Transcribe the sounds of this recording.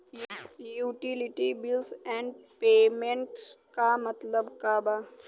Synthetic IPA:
juːʈilɪʈibɪlsɛ̃ːɳɖpeːmẽɳʈskamɐt̪ləbkaːba

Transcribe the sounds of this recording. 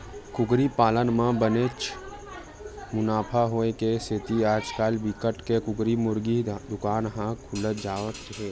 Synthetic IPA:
kʊɡɾipaːlənmãbəneːt͡ʃ | mʊnaːpʰaɦoekesʰɪt̪iaːd͡ʒkaːlbikəʈkekʊɡɾimʊɾɡid̪ʊkaːnɦãkʰʊlət̪d͡ʒaːʋət̪ːɦeː

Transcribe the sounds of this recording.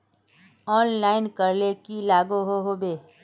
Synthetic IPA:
ɔːnlaːɪnkəɾlekilaːɡoɦoɦoːbeː

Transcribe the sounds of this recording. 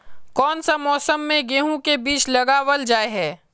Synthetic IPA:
kɔːnsamɔːsəmːẽɡeːɦũkebiːt͡ʃlɐɡaːwəld͡ʒaːeɦɛː

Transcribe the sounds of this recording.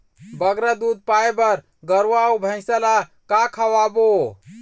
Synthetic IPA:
bəɡɾad̪ud̪̚pajbəɾ | ɡəɾwaubʱə̃ɪ̃sɛlakakʰəwabo

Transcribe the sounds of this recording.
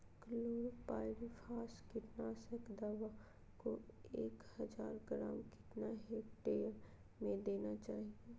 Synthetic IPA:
kəloːɾpaːɪʋifʰaːskɪʈnaːsəkd̪aːʋa | koḛːkhəd͡ʒaːɾɡɾa̰ːmkɪ̥ʈnaɦeːkʈeːɾ | mẽd̪eːnat͡ʃaːɦieː

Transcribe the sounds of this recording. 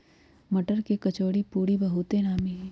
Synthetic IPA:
mɐʈəɾkekɐt͡ʃoːɽipuːɾibɐɦut̪enaːmiɦɛː

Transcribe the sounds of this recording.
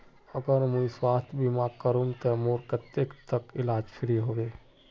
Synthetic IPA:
əɡəɾmũĩswaːst̪ʰbimakəɾumt̪emoːɾkət̪ːekt̪əkɪlaːd͡ʒpʰɪɾiɦoʋeː

